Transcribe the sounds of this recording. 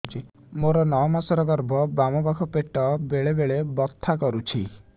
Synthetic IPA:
t͡ʃʰi | moɾɔnɔmasɔɾɔɡɔɾbʱɔbamɔbakʰɔpeʈɔbeɭebeɭebɔt̪ʰːakɔɾut͡ʃʰi

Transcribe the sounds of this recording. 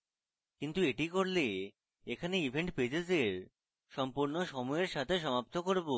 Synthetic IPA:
kint̪ueʈikoɾle | ekʰaneibʱeɳʈped͡ʑezeɾ | ʃɔmpuɾnoʃɔmɔeɾʃat̪ʰeʃ̬ɔmap̚t̪okoɾbo

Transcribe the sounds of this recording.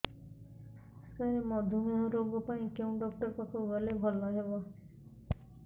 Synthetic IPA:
skaɾemɔd̪ʱumeɦoɾoɡopaĩkew̃ɖɔk̚ʈɔɾkɔkʰoɡɔlebʱɔlːɔɦebɔ

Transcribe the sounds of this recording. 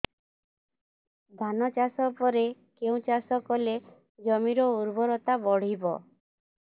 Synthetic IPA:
d̪ʱanɔt͡ʃasɔpɔɾekeũt͡ʃasɔkɔle | d͡ʒɔmiɾɔuɾbɔɾɔt̪abɔɽ̤ibɔ̰

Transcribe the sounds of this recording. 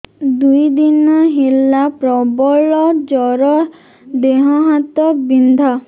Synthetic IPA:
d̪ujd̪inɔɦelapɾɔbɔɭɔd͡ʒɔɾɔ | d̪eɦɔɦat̪ɔbind̪ʱa

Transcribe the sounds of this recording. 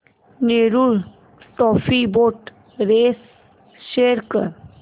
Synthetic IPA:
neːɾul | ʈɔːfiboːʈ | ɾeːs | ʃeːɾkəɾ

